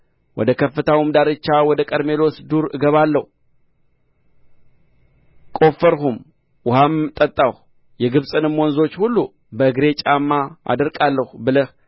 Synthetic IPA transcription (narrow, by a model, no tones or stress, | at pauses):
wɔ̰d̪əkʰəfːɨt̪ʰawmd̪aɾɨt͡ʃːawɔd̪əkʼəɾme̞lo̞sd̪uɾɨɡəβalːəhu | kʼo̞fəɾɦum | wʊhamt̪ʼət̪ʼːahu | jɛɡɨβsʼɨnɨmwɔnzo̞t͡ʃːhulːu | bəɨɡɾe̞t͡ʃʼamːaʔa̰d̪əɾkʼalːəhubɨləh